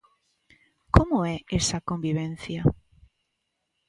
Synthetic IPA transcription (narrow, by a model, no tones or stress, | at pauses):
komoɛesakombiβ̞ẽn̟θja